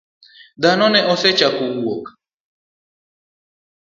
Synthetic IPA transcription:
d̪anɔnɛʔɔθɛt͡ʃakuuɔkḁ

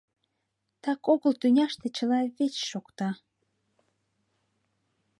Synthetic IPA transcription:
t̪ɑkoɣəlt̪ynʲɑʃt̪et͡ɕəlɑβet͡ɕʃokt̪ɑ

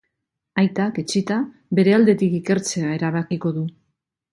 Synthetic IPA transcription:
ajt̪ake̞t͡ʃit̪a | βe̞ɾe̞ald̪e̞t̪ikike̞ɾt͡se̞ae̞ɾaβ̞akiko̞ðu

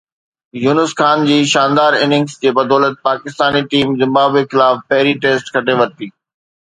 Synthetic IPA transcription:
juːnʊsxaːnd͡ʑiːʃaːnd̪aːɾɪnɪ̃ŋɡsd͡ʑeːbɐd̪ɔːlət̪̚paːkɪst̪aːniʈiːmzɪ̃mbaːbexɪlaːfpɐɦɪɾiʈeːsʈkʰɐʈeʋɐɾt̪iː

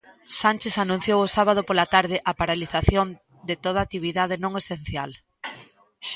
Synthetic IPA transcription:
sanʲt͡ʃesanũn̟θjowʊsaβað̞opolat̪aɾð̞ɪʔapaɾaliθaθjon | d̪et̪oð̞at̪iβ̞iðað̞ɪnõŋesenθjal

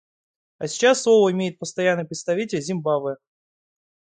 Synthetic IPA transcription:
ɐsʲɪ̥t͡ɕasːlˠovəɪmʲejɪt̪̚pəst̪ɐjanːɨjpɾʲɪt̪st̪ɐvʲitʲɪlʲzʲɪmbavɨ

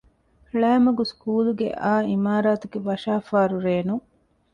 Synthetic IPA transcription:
ɭæːmɐɡuskuːluɡḛʔaːimaːɾaːt̪uɡeʋɐʃaːfaːɾuɾeːnu

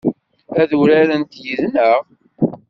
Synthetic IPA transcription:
æðuɾaɾənt̪jəðnəʁ

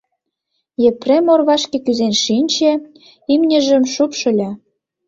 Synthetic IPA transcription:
jĕprʲemorβɑʃkĕkyzenʃinʲt͡ɕĕ | imnʲə̆ʒə̆mʃupʃɤ̆lʲĕ

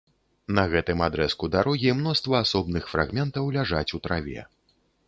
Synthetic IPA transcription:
nɐɣɛt̪ɨmad̪ɾɛskud̪aɾɔɣʲimn̪ɔst̪vɐːsɔbnɨxfɾa̰ɣmʲɛnt̪ɐwlʲaʐat͡sʲut̪ɾavʲɛ̰

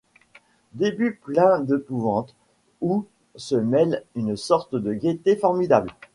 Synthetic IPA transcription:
d̪ebyplɛ̃d̪epuvɑ̃t̪ | u | səmɛlynsɔʁt̪d̪əɡʲet̪efɔʁmid̪abl

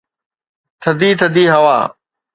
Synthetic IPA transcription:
t̪ʰəd̪iːt̪ʰəd̪iːɦɐʋa̰ː

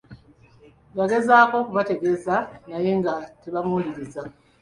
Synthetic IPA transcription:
βaɡe̞zaːko̞kuβate̞ɡe̞zanaje̞ŋɡateβamuːliɾiza

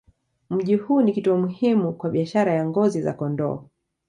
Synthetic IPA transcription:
m̩ʄihuːnikituɔmuhimukwaɓiaʃaɾajaŋɡɔziza̰kɔndɔ̰ː

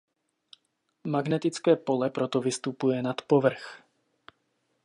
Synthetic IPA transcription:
maɡnɛt̪ɪt͡skɛːpolɛpɾot̪ɔvɪst̪upujɛnat̪povr̩x

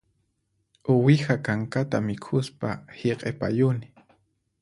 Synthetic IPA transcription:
ʊwɪhakaŋkat̪amɪkʰʊspaheqʼepa̰jʊnɪ̥

